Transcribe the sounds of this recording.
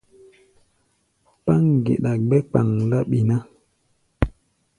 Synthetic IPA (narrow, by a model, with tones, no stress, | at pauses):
pa˦ŋ˨ɡḛ˨ɗa˨ɡ͡bɛ˦k͡pa˨ŋla˦ɓi˨na˦